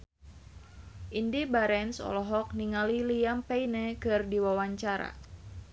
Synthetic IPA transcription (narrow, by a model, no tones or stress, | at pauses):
ʔindibaɾɛnsɔ̰lɔɦɔk̚niŋalilijampeinɛkɨrdiwawaɲt͡ʃaɾa̰